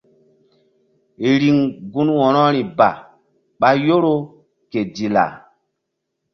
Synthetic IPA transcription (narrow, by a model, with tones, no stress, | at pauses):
e˨ɾi˨ŋɡu˦nwɔ˨nɔ˦ɾi˨ba˨ | ɓa˦jo˦ɾo˦ | ke˨di˨la̰˨